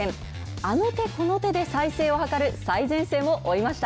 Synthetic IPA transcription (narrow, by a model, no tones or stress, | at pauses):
ẽŋ | ano̞t̪e̞ko̞no̞t̪e̞d̪e̞saise̞ːo̞hakaɾɯ̟saizẽ̞ɰ̃se̞ːmo̞ʔoimaɕi̥t̪a